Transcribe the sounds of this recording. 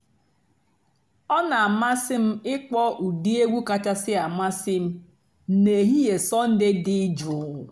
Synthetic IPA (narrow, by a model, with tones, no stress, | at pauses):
ɔ˦na˨a˨ma˦sɪ˦m̩˦ɪ˦k͡pɔ˦ʔu˨di˦e˦ɡʷu˦ka˦t͡ʃa˦sɪ˦a˨ma˦sɪ˦m̩˦ | ne˨ɦi˦je˨sɔ˦n̩˦dɪ˦dɪ˦d͡ʒʊ˨˦˨